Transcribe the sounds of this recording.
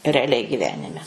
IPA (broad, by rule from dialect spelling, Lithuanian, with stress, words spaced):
rʲɛɐˈlʲɛɪ ɡʲɪˈʋʲæːnʲɪmʲɛ